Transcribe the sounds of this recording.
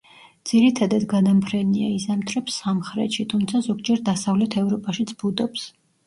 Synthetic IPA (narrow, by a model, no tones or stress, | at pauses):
d̪z̥iɾit̪ʰad̪ad̪ɡad̪ampʰɾɛnia̰izamt̪ʰɾɛpsːamχɾɛ̰t̪ʃit̪ʰumt̪sʰazɔɡd͡ʒɛɾd̪asavlɛt̪ʰɛvɾɔpʼaʃit̪sʰbud̪ɔps